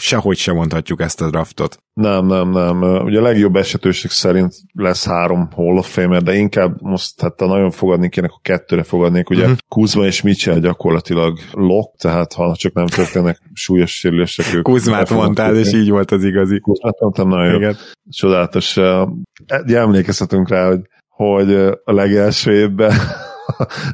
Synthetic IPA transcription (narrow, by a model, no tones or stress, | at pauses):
ʃɛho̞cʃɛmo̞nt̪hɒcːukɛst̪ɒd̪ɾɒft̪o̞t̪ | nɛmnɛmnɛmøṵɟɛːlɛɡjo̞bːɛʃɛt̪øːʃeksɛɾint̪lɛshaːɾo̞mholːofeːmɛrd̪ɛiŋkaːbmo̞ʃt̪hat̪ːɛnɒɟo̞ɱfo̞ɡɒd̪nekeːnɛkɒ̥kɛt̪ːøːɾɛfo̞ɡɒd̪neːkuɟɛkuzmɒeːʃmit͡ʃɛlɟɒko̞rlɒt̪ilɒɡlo̞k̚t̪ɛɦaːt̪hɒt͡ʃɒknɛmt̪ørt̪eːnɛkʃuːjo̞ʃːeːɾyleːʃtɛkøːkuzmaːt̪mont̪aleːʃiːɟʋo̞lt̪ɒziɡɒzikuzmaːt̪mont̪ɛmnɒojoɡt͡ʃo̞d̪aːlɒt̪o̞ʃ | uɟɛɛmleːkɛshɛt̪yŋkraːho̞ɟ | ho̞ɟɒlɛɡɛlʃøːeːbːɛ